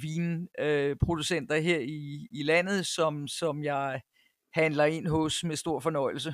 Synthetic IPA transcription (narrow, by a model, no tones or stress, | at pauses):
ʋiːnøpʰʁo̝d̥usen̰d̥ɐɦeɐ̰iːlæn̰ð̞̩ˠsɒ̽msɒ̽mjɑ̈ɪ | hænlɐe̝n̰ɦɔsmesd̥o̝ɐ̰fɒ̽nɒ̽ɪ̰l̩sə